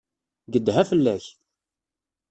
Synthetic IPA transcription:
ɡəd̪ɦæfəlːæç

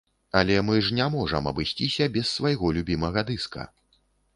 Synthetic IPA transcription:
ɐlʲɛmɨʐnʲɛmɔʐɐmɐ̰bɨsʲt͡sʲisʲɐbʲɛsːvajɣɔlʲubʲimɐɣɐd̪ɨskɐ̰

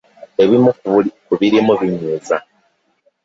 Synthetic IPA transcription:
e̞βimukkuβiɾimuβiɲeːza

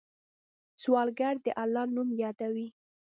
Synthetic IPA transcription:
swɑlɡaɽd̪əʔalːɑnumjɑd̪awi

